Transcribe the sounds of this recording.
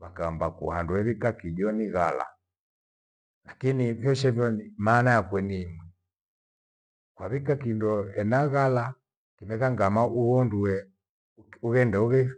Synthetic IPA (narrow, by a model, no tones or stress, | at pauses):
βakaːmbakṵhanduɛβikakiɟɔniɣala̰ | lakinivjɔʃɛvjɔnimaːnajakwɛniːmwɛ | kwaβikakindɔɛnaɣala | kimɛkaŋɡamaʔuɔnduɛ | uɣɛndɛuɣɛ